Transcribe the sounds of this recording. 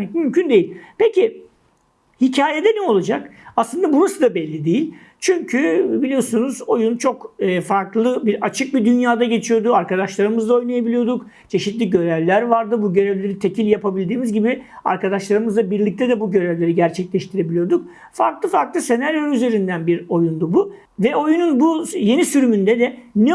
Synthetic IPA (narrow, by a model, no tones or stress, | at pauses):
ɛmymcʰynd̪e̞jilʲpeci | hicʰaːje̞d̪ɛnɛo̞lˠad͡ʒakaslˠɯnd̪abunusɯd̪abɛlʲːid̪ejilʲ | t͡ʃʰyɲcʰybilʲijosunuzo̞junt͡ʃʰo̞kɛfaɾklˠɯbiat͡ʃʰɯk̚bid̪ynjaːd̪aɟe̞t͡ʃʰijo̞ɾd̪uaɾkad̪aʃlˠaɾɯmɯzd̪ao̞jnajabilʲijo̞ɾd̪uk | t͡ʃʰe̞ʃit̪lʲiɟø̞ɾɛvlʲæɾvaɾd̪ɯbuɟø̞ɾevlʲe̞ɾit̪ʰe̞cʰilʲjapʰabilʲd̪iːmizɟibia̰ɾkad̪aʃlˠaɾɯmɯzabiɾlʲic̚t̪ʰɛd̪ɛbuɟø̞ɾevlʲe̞ɾiɟæɾt͡ʃʰɛclʲɛʃt̪ʰiɾe̞bilʲijo̞ɾd̪uk̚ | faɾklˠɯfaɾklˠɯse̞naɾjoyze̞ɾind̪ænbiɾo̞jund̪ubu | vɛo̞jununbuje̞nisyɾymynd̪ɛd̪ɛnɛ